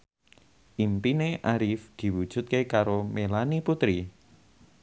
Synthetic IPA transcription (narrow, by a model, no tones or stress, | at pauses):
ʔimpineʔaɾifd̪̥i̤wud̥ʒ̥ʊ̤t̪̚kekaɾomelaniput̪ɾi